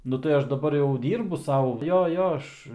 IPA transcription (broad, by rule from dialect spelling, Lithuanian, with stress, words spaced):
ˈnʊ tɐɪ ˈɐʃ dɐˈbɐr jɛʊ ˈdʲiːrbʊ ˈsɐʊ ˈjoː ˈjoː ˈɐʃ